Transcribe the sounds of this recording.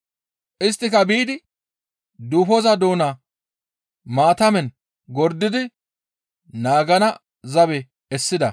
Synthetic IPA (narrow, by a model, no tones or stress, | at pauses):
ʔɪst̪ːɪkɐbiːd̪ɪ | d̪uːfɔzɐd̪o̞ːna | maːt̪ɐmɛn | ɡɔɾd̪ɪd̪ɪ | naːɡɐnɐ | zɐbɛ | ɛsːɪd̪ɐ